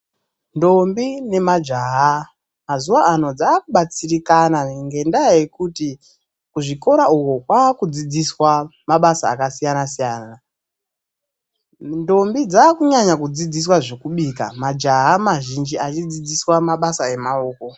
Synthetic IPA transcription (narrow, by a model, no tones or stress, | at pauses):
ndo̞mbine̞mad͡ʒaɦa | mazuwaːno̞d͡zaːkuɓat͡sirikanaŋɡe̞ndaːjekuti | kuʐiko̞ɾaukokwaːkud͡zid͡ziswamaɓasaːkasijanasijaːna | ndo̞mbid͡zaːkuɲaɲakud͡zid͡zis̬waʐe̞kuɓiːka̰mad͡ʒaɦamaʒind͡ʒiat͡ʃid͡zid͡ziswamaɓasae̞maoːko̞